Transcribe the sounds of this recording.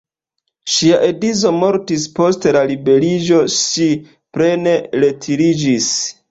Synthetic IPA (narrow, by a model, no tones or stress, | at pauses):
ʃiaʔe̞dizo̞mo̞ɾtispo̞stelalibe̞ɾid͡ʒo̞ʃi | pɾe̞ne̞le̞tʰiɾid͡ʒis